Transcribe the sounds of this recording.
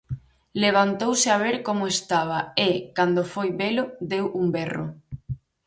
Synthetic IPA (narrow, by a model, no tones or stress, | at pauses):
leβ̞ant̪owsɪaβ̞eɾkomoest̪aβ̞aekand̪ofojβelod̪ewumbɛro̰